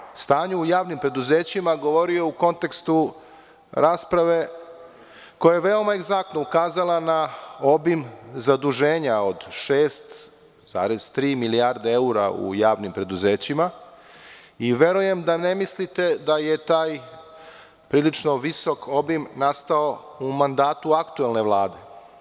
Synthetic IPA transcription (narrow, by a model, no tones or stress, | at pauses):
st̪aːɲuːjaːʋnimpɾe̞d̪uzeːt͡ɕimaɡo̞ʋo̞ɾiouko̞nt̪e̞kst̪u | ɾaːspɾaʋe̞ | kojajeʋe̞o̞maeɡzak̚t̪noukaːzalˠanao̞bimzad̪uʒeːɲao̞d̪ʃeːst̪ | z̥a̰ːɾez̥t̪ɾiːmiliaɾd̪eeuɾaṵjaːʋnimpɾe̞d̪uzeːt͡ɕima | iʋe̞ɾuje̞md̪anemislit̪e̞d̪aje̞t̪aːj | pɾiːlit͡ʃno̞ʋisokʰo̞bimnast̪ao̞ | umand̪aːt̪uakt̪uelne̞ʋlˠaːd̪e̞